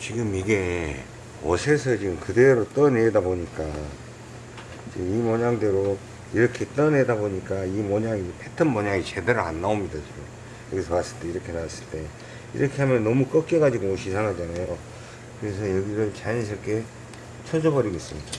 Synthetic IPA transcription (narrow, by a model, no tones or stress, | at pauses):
t͡ɕiɡɯmiɡe̞ | ʌ̰sʰeɭsʰʌt͡ɕiɡɯmkɯde̞ɾot͈ʌneedaboɲik͈a | t͡ɕiɡɯmimoɲaŋde̞ɾo | iɾʌkʰe̞t͈ʌnedaboɲik͈aimoɲaŋipʰetʰɯnmʌɲaŋit͡ɕe̞deɾɯɭa̰nːaomɲidat͡ɕiɡɯm | jʌɡisʰʌmas͈ɯɭt͈e̞iɾʌkʰe̞nawas͈ɯɭt͈e̞ | ḭɾʌkʰe̞ɦamjʌnːʌmuk͈ʌk͈e̞ɡad͡ʑiɡoːɕʰisʰaŋad͡ʑanajo | kɯɾe̞s̬ʰʌjʌɡiɾɯɭt͡ɕaisʰʌɭk͈ʰe̞ | t͡ɕʰʌd͡ʑʌbʌɾiɡe̞s͈ɯmɲid̥a